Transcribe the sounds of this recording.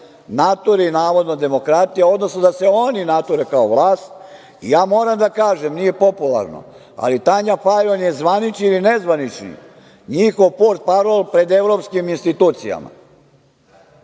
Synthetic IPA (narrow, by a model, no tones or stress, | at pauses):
nat̪oɾinaːʋo̞d̪nod̪e̞mo̞kɾat̪ijao̞d̪no̞snod̪aseo̞ninat̪oɾekaoʋlˠaːst̪ | ḭjaːmo̞ːɾamd̪akaːʒemnije̞po̞pulˠa̰ɾno̰ | a̰lit̪aɲafajonjezʋanit͡ʃniilinezʋanit͡ʃnḭ | ɲixo̞ʋpoɾt̪̚paɾolˠpɾe̞d̪e̞ʋɾopskiminst̪it̪uːt̪sija̰ma̰